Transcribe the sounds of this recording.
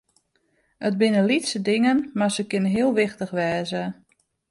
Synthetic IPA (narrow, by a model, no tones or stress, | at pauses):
əd̚bɪnəlitsədɪŋənmasəkɪnəɦiəlˠʋɪxtəxʋɛːzə